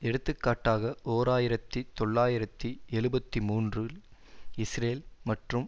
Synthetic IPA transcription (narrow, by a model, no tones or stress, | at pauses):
ɛɽɯt̪ːɯkːaːʈːaːɣɐʔoːɾaːjɪɾɐt̪ːit̪ɔɭːaːjɪɾɐt̪ːiɛɻɯbɐt̪ːimuːndrɯ | ɪsɾeːlmɐʈrɯm